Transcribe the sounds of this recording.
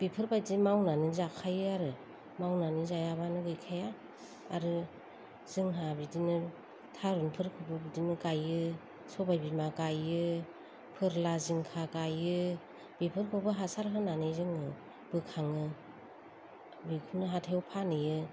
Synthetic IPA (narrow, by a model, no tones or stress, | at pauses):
b̥ipʰɯɾbajdimawnanɯzakʰajɯaɾɯ | mawnanizajabanɯɡɯjkʰajaː | ɾɯ | z̥ɯŋɦabidinɯ | tʰaɾunpʰɯɾkʰɯbɯbidinɯkajɯ | sɔbajbimakajɯ | pʰɯɾlaziŋkʰakajɯ | b̥ipʰɯɾkʰɯbɯɦasaɾɦɯnanɯjzɯŋɯ | bɯkʰaŋɯ | bikʰunɯɦatʰaɔpʰanɯjɯ